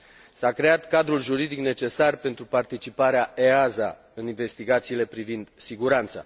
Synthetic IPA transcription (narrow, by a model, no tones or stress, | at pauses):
sakɾe̞at̪kad̪ɾulʒuɾid̪ikne̞t͡ʃe̞sarpe̞nt̪ɾupart̪it͡ʃipaɾeaʔeaza̰ | ɨninve̞st̪iɡat̪siːle̞pɾivind̪siɡuɾant̪sa̰